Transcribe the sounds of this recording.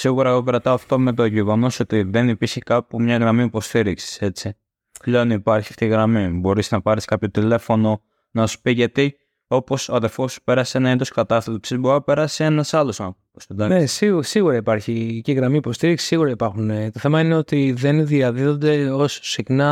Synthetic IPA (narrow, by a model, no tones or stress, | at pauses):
siɣuɾɐeɣopeɾɐt̪ɐoɐft̪o̞me̞t̪o̞ʝiɣono̞so̞t̪iðe̞nipiɾçekɐpumɲɐɣɾɐmiipo̞st̪iɾiksi̥se̞t͡si | leonipɐɾçiɐft̪iɣɾɐmibo̞ɾisnɐpɐɾiskɐpço̞t̪ile̞fo̞no̞ | nɐsu̥piʝɐt̪i | o̞po̞soɐðefo̞spe̞ɾɐseenɐend̪oskɐt̪ɐset̪opsizboɾope̞ɾɐsie̞nɐsɐlo̞sɐ | osod̪ɐnesisiɣuɾɐipɐɾçiciɣɾɐmiːpo̞st̪iɾiksi̥sːiɣuɾɐipɐɾxunet̪o̞θe̞mɐineo̞t̪iðe̞nðiɐðiðo̞nd̪e̞o̞sːixnɐ